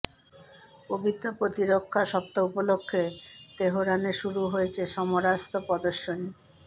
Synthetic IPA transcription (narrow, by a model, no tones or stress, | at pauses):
pobit̪ɾopɾot̪iɾokʰːaʃɔp̚t̪oupolokʰːet̪eɦoɾaneʃuɾuɦoet͡ɕʰeʃɔmoɾast̪opɔd̪oʃːoni